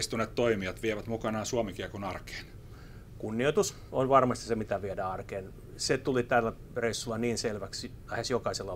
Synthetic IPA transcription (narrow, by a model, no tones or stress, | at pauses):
st̪unet̪t̪oimiɑt̪ʋieʋæt̪mukɑnɑːsuɑmikiɑkonɑrke̥ːn | kunːioit̪us | onʋɑrmɑst̪i̥semit̪æʋiedæːɑrkeːn | set̪ulit̪ælːæ | reisːulːɑniːnselʋæks | hesjokɑiselːɑ